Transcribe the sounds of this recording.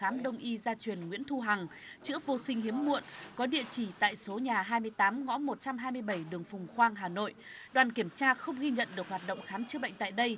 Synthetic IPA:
aː˨˦mɗə˧wŋ͡mʔi˧zaː˧t͡ɕwi˨˩ənŋwḭ˧˥ənt̪ʰu˧ɦa˨˩ŋ | t͡ɕɨ̰˧˥əvo˧sï˧ŋ̟ɦi˨˦əmːṵ˧˨ənkɔ˨˦ɗḭ˧˨ət͡ɕi˧˩t̪a̰ː˧˨jso˨˦ɲaː˨˩ɦaː˧jmɨ˧əjt̪aː˨˦mŋɔ̰˧˥mo˨˩t̚t͡ɕa˧mɦaː˧jmɨ˧əjɓə˧˩jɗɨ˨˩əŋfʊ˨˩ŋ͡mxwaː˧ŋɦaː˨˩no̰˧˨jɗwaː˨˩nki˧˩əmt͡ɕaː˧xə˧wŋ͡mɣi˧ɲə̰˧˨nɗɨ˨˩ək̚ɦwaː˨˩t̚ɗə̰˧˨wŋ͡mxaː˨˦mt͡ɕɨ˧˦əɓə̰˧˨jŋ̟t̪a̰ː˧˨jɗə˧j

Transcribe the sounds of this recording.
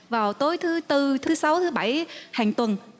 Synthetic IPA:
vaː˨˩wt̪o˨˦jt̪ʰɨ˨˦t̪ɨ˧t̪ʰɨ˨˦sa˨˦wt̪ʰɨ˨˦ɓa˧˩jhaː˨˩ŋt̪wə˨˩n

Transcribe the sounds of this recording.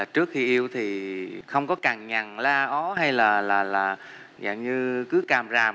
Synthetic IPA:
aː˨˩t͡ɕɨ˦˥ək̚xi˧ʔi˧əwt̪ʰi˨˩xə˧wŋ͡mkɔ˨˦kaː˨˩ŋɲa˨˩ŋlaː˧ʔɔ˨˦ɦa˧jlaː˨˩laː˨˩laː˨˩ | za̰ː˧˩ŋɲɨ˧kɨ˨˦kaː˨˩mzaː˨˩m

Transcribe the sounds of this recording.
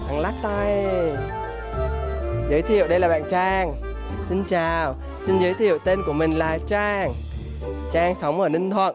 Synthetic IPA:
ʔa˨˩ŋlaː˦˥k̚t̪a˧j | zəː˨˦jt̪ʰḭ˧˨ə˨wɗə˧jlaː˨˩ɓa̰ː˧˨nt͡ɕaː˧ŋ | si˧nt͡ɕaː˨˩w | si˧nzəː˨˦jt̪ʰḭ˧˨ə˨wt̪e˧nku˧˩əmï˨˩ŋ̟laː˨˩t͡ɕaː˧˩ŋ | t͡ɕaː˧ŋsa˨˦wŋ͡mʔəː˧˩nï˧ŋt̪ʰwə̰˧˨n

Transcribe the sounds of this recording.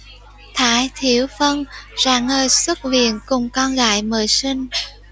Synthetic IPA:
t̪ʰaː˧˦jt̪ʰi˧˩˦əwfə˧nzaː˨˧˩ŋːəː˨˩jswə˦˥t̚vḭ˧˨ənkʊ˨˩ŋ͡mkɔ˧nɣa̰ː˧˨jməː˧˨˩jsï˧ŋ̟

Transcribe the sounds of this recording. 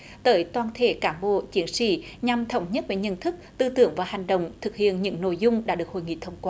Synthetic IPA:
t̪əː˨˦jt̪waː˧˩nt̪ʰe˧˩kaː˨˦mɓo̰˧˨t͡ɕi˨˦ənsḭ˧˥˨ɲa˨mt̪ʰə˧˩wŋ͡mɲə˦˥t̚ve˨˩ɲə̰˧˨nt̪ʰɨ˦˥k̚t̪ɨ˧t̪ɨ˧˩əŋvaː˨˩ha˨˩jŋ̟ɗə̰˧˨wŋ͡mt̪ʰɨ˨˩k̚hḭ˧˨ənɲɨ̰˧˥ŋno̰˧˨jzʊ˧ŋ͡mɗa̰ː˧˥ɗɨ˨˩ək̚ho̰˧˨jŋḭ˧˨t̪ʰə˧wŋ͡mkwaː˧

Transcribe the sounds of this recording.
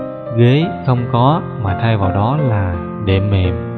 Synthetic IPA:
ɣe˨˦xə˧wŋ͡mkɔ˨˦ | maː˨˩t̪ʰaː˧jvaː˨˩wɗɔ˨˦laː˨˩ | ɗe˧˩mːḛ˨˩m

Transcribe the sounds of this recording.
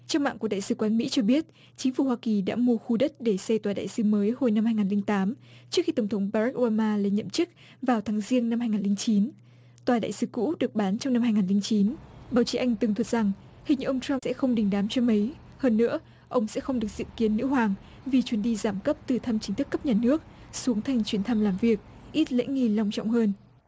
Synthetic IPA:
t͡ɕɛ˧wŋ͡mma̰ː˧˨ku˧˩əɗa̰ː˧˨sɨ˨˦kwaː˨˦nmḭ˧˥t͡ɕɔ˧ɓi˦˥ət̚ | t͡ɕï˨˦ŋ̟fu˧˩ɦwaː˧ki˨˩ɗa̰ː˧˥mu˧əxu˧ɗə˦˥t̚ɗe˧˩sjt̪waː˨˩ɗa̰ː˧˨jsɨ˨˦məː˨˦jho˧jna˧mhaː˧jŋaː˨˩nli˧ŋt̪aː˨˦mt͡ɕɨ˦˥k̚xi˧t̪ə˧˩ŋ͡mt̪ʰwŋ͡mɓaː˧za˦˥k̚ʔo˧ɓaː˧maː˧le˧˩nɲə̰˧˨mt͡ɕɨ˦˥k̚ | vaː˨˩wt̪ʰaː˨˦ŋzi˧ənna˧mhaː˧jŋaː˨˩nli˧ŋt͡ɕi˨˦n | t̪waː˨˩ɗa̰ː˧˨jsɨ˨˦kṵ˧˥ɗɨ˨˩ək̚ɓaː˨˦nt͡ɕɔ˧wŋ͡mna˧mhaː˧jŋaː˨˩nli˧ŋt͡ɕi˨˦nɓaː˨˦wt͡ɕi˨˦ʔa˧jŋ̟t̪ɨ˨˩ŋt̪ʰə˨˩t̚z̥a˨˩ŋ | hï˨˩ŋ̟ʔə˧wŋ͡mta˧msɛ̰˧˥xə˧wŋ͡mɗï˨˩ŋ̟ɗaː˨˦mt͡ɕɔ˧mə˨˦j | həː˧nːɨ̰˧˥ə | ʔə˧wŋ͡msɛ̰˧˥xə˧wŋ͡mɗɨ˨˩ək̚z̥ḭ˧˨ki˨˦ənːɨ̰˧˥hwaː˨˩ŋ | vi˨˩t͡ɕwi˨˦nɗi˧zaː˧˩mkə˦˥p̚t̪ɨ˨˩t̪ʰa˧mt͡ɕï̟˨˦t̪ʰɨ˦˥kːə˦˥p̚ɲaː˨˩nɨ˦˥ək̚su˨˦əŋt̪ʰa˨˩jŋ̟t͡ɕwi˨˦ənt̪ʰa˧mlaː˨˩mvi˨˩ək̚ | ʔi˦˥t̚lḛ˧˥ŋi˧˩la˧wŋ͡mt͡ɕɔ̰˧˨wŋ͡mhəː˧n

